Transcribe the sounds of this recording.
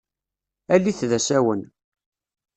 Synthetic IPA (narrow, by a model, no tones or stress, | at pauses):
ælːiθðæsæwən